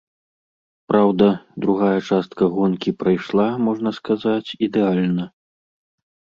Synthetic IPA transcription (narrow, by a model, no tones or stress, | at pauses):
pɾawd̪ɐd̪ɾuɣajɐt͡ʂast̪̚kɐɣɔnkʲipɾajʂlˠamɔʐnɐskazat͡sʲid̪ɛalʲnɐ